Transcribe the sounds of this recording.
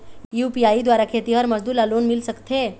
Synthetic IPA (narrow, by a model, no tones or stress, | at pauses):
jupiaid̪waɾakʰet̪iɦəɾməzd̪uːlalonmilsəkt̪ʰe